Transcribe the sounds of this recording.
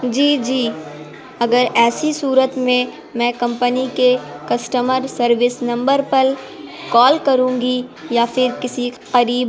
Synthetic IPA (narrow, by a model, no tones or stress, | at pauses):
d͡ʒiːd͡ʒiː | ɐɡəɾɛːsisuːɾət̪mẽ | mɛ̃ːkɐ̃mpənikekɐsʈəməɾsɐɾʋɪsnɐ̃mbəɾpɐɾ | kɔːlkɐɾũːɡijafɪɾkɪsi | qɐɾiːb